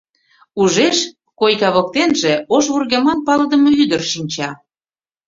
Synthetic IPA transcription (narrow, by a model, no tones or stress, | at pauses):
uʒeʃ | kojkɑβɤ̆k̚t̪enʒe̽oʃβurɣemɑnpɑləd̪ə̆mɤyd̪ərʃinʲt͡ɕɑ